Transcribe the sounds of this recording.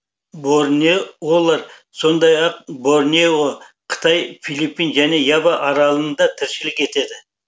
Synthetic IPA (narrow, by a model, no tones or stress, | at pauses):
boɾnewolˠɑɾso̞nd̪ɑjɑq̚bo̞ɾnewo | qʰə̥t̪ʰɑjfilˠipːinʒæne̞jɑbɑʔɑɾɑlˠənd̪ɑt̪ʰɪɾʃɪlɪke̞t̪e̞d̪ɪ